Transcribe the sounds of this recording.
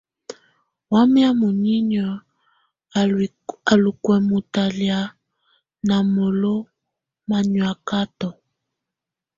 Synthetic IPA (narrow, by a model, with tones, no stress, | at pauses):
wa˦mja˦mu˨ɲi˦ɲɔ˨ | a˨lu˨kwɛ˨mu˨ta˨lja˨ | na˨mo˨lo˦ | ma˨ɲwa˨ka˦tɔ˨